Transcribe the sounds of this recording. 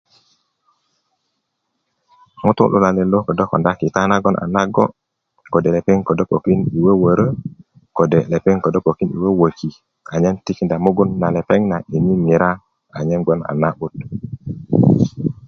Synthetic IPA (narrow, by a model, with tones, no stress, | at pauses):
mu˦t̪ṵ˦lṵ˨la˨le˨lo˦kə˨do˦ko̰˨nda˦ki˨ta˦na˦ɡo˦nʔa̰˨na˦ɡo˦ | ko˨de˨le˨pe˦ŋko˨do˦po˨ki˦ni˨we˦wə˨ɾə˦ | ko˨de˨le˨pe˦ŋko˨do˦po˨ki˦nḭ˨we˦wə˨ki˨ | a˨ɲe˦nti˦knda˨mu˦ɡu˦nːa˨le˨pe˦ŋna˨ʔi˨ni˦mi˨ɾa˦ | a˨ɲe˦nɡo˦na̰˨na˦ʔu˦t̚